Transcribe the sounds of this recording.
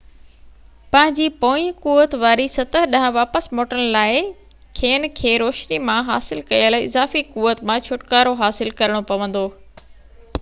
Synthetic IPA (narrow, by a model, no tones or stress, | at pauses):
pɐ̃ɦɪ̃ɲd͡ʑiːpoːikuːʋət̪ʋaːɾisɐt̪əɦɗɐɦə̃ʋaːpəsmoːʈənlaːɪ | kʰeːn̆kʰeːɾoːʃnimãɦa̰ːsɪlkɐjəlɪ̰zaːfikuːʋət̪mãt͡ɕʰʊʈkaːɾoɦaːsɪlkɐɾəɽ̃opɐʋə̃nd̪oː